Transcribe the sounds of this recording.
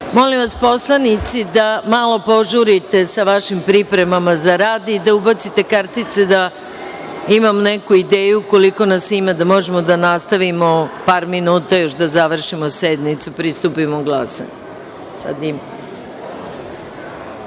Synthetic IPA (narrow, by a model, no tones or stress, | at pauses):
mo̞limʋaspo̞slˠanit̪sid̪amalˠo̞po̞ʒuɾit̪e̞saʋaʃimpɾipɾe̞mamazaɾaːd̪id̪aubat̪sit̪e̞kaɾt̪it̪sed̪a | imamnekuid̪eːjuko̞liko̞nasimad̪amo̞ʒemod̪anast̪aʋimo̞paːɾminuːt̪ajo̞ʃd̪azaʋr̩ʃimosed̪nit̪supɾist̪upimoɡlˠasa̰ɲ | sa̰d̪im